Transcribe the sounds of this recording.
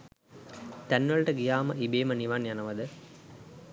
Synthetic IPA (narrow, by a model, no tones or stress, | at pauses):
t̪ænʋəɭʈəɡijaːməʔibeːməniʋanjanəʋəd̪ə